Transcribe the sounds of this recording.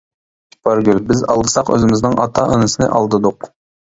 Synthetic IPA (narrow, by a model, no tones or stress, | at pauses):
pɑɾɡʲylbɪzɑ̰lˠd̪ɨsɑqø̰zɪmɪznɪŋʔɑt̪ʰɑʔənɨsɨnɪ̰ʔɑlˠd̪ɨd̪ʊq